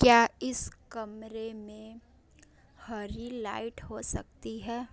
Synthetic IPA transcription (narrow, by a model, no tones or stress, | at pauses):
kjaːɪskɐmɾemẽ | hɐɾilaːɪʈɦosɐk̚t̪iɦɛː